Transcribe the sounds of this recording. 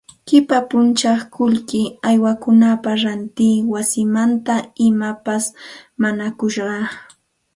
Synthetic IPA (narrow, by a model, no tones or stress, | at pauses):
kɪpapʊnt͡ʃɑχkʰʊʎkɪajwakʊnapaɾant̪iːwasɪmant̪aɪmapasmaɲakʊʃɢɑ